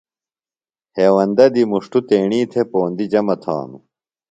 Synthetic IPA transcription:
heːwɐnd̪ɐd̪imuʂʈut̪eːɳiːt̪ʰepoːnd̪id͡ʑɐmɐt̪ʰa̰ːnṵ

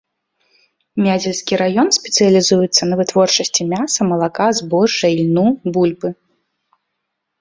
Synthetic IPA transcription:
mʲad͡zʲɛlʲskʲiɾajɔnsʲpʲɛt̪sɨjɐlʲizujut̪sːɐnɐvɨt̪vɔrt͡ʂɐsʲt͡sʲimʲasɐmɐlˠakazbɔɐjlʲnubulʲbɨ

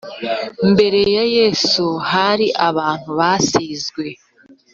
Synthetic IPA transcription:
mbe̞ɾe̞jaje̞ːsuhaɾiʔaβaːn̥huβasiːzɡwe̞

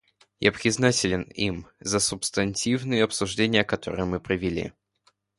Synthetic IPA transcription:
ja̰pɾʲɪznatʲɪlʲɪnimzəsʊpst̪ɐnʲtʲivnɨjəɐpsʊʐdʲenʲɪjəkɐt̪o̞ɾɨjəmɨpɾəvʲɪlʲḭ

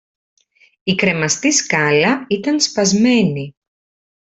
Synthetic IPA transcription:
ikɾe̞mɐst̪iskɐlɐit̪ɐnspɐzme̞ni

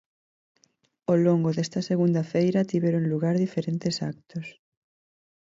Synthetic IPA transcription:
oloŋɡoðɛst̪ɐseɣund̪ɐfejɾɐt̪iβɛɾoŋluɣaɾðifeɾent̪esak̚t̪os

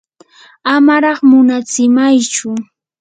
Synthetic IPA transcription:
amaɾɑχmʊnat͡sɪmajt͡ʃʊ

